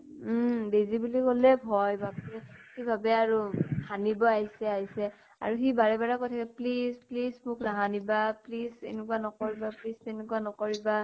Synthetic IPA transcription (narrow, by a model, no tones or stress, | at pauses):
m̩bezibulikolɛbʱɔjbʱabɛxibʱabɛaɹuhʰanibɔaɦisɛaɦisɛ | a̰ɹuxibaɹɛbaɹakojtʰakɛplisplismʊkɹaɦanibaplizḛnɛkuwanɔkoɹibaplistɛnɛkuwanɔkoɹiba